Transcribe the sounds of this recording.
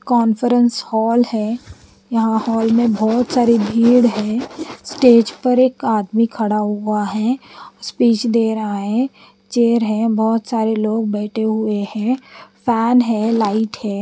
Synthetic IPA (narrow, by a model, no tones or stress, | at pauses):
kɔːnfəɾə̃nshɔːlɦɛ̃ː | jɐɦãhɔːlmẽbɔːt̪saːɾebʱiːɽɦɛ̃ːsʈeːd͡ʒpɐɾeːkaːd̪mikʰɐɽaɦʊaɦɛ̃ːspiːt͡ʃd̪eːɾəaɦɛ̃ | t͡ʃeːəɾɦɛ̃bɔːt̪saːɾeloːɡ̚bɛːʈʰeɦʊehɛ̃ːfʰɛːnɦɛ̃ːlaːɪʈhɛ̃ː